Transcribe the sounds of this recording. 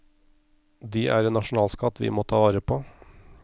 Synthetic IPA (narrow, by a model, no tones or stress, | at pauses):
d̪iːʔæ̰ːɾeːnɑʃn̩ɑːlskɑt̪ʰʋɪ̰ːmoːt̪ʰɑːʋɑːɾəpʰoː